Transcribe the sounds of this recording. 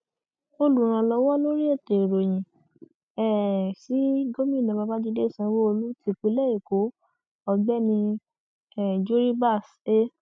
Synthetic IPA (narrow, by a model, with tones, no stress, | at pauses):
o˧lu˨ɾ̃ã˧lɔ˧wɔ˦nõ˦ɾi˦e˦˨te˨ɾo˨j̃ĩ˨ | ɛ˦˨si˨˦ɡo˦mĩ˦˨nã˨ba˧˦ba˦di˦˧˦de˦˨sɛ̃˧wo˦o˧lu˦ti˧˨k͡pi˨˧˦lɛ˦e˨ko˨˦ | ɔ˧ɡ͡bɛ˦nĩ˧ | ɛ˦˨d͡ʒu˦ɾi˦ba˦˨s | e˦